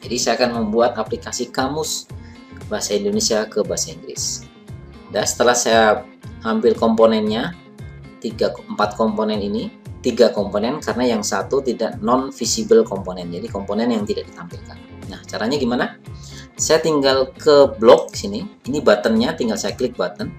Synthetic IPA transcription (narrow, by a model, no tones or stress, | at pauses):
d͡ʒadisajaakanməmbuat̪aplikasikamʊs | baɦasaindonesiakəbaɦasaiŋɡɾɪ̰s | dasə̥t̪əlahsaja | hampɪlkɔmponɛnɲa | t̪iɡaəmpat̪̚kɔmponɛninit̪iɡakɔmponɛnkaɾənajaŋsat̪ut̪idaʔnɔnfisibəlkɔmponɛnd͡ʒadikɔmponɛnjaŋt̪idaʔ̚dit̪ampilkan | naht͡ʃaɾaɲaɡimana | sajat̪iŋɡalkəblɔk̚di̥siniːnibat̪ənɲat̪iŋɡalsajaklɪk̚bat̪ən